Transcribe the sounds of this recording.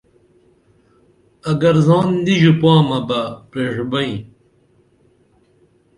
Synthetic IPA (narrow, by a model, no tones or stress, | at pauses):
ɐɡɐɾzɑːnd̪iʑupaːmɐbɐpɾeːʂbɐĩ